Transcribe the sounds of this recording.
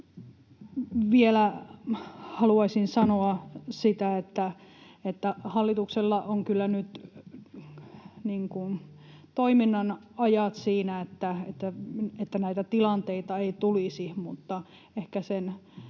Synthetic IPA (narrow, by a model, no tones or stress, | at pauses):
ʋielæ | hɑluɑisinsɑnoɑsit̪æet̪ːæet̪ːæhɑlːit̪ukselːɑʔoŋkylːænyt̪ | niːŋkun | t̪oiminːɑnɑjɑt̪siːnæet̪ːæet̪ːæet̪ːænæit̪æt̪ilɑnt̪eit̪ɑeit̪ulisimut̪ːɑ | ehkæsen